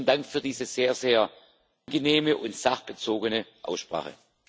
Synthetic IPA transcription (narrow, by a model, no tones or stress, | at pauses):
ndaŋkfyːɐdiːzəz̥eːɐzeːɐ | ʔʔanɡəneːməʔʊntz̥aχb̥ət͡soːɡənəʔa̰ʊsʃpʁ̥a̰ːχə̰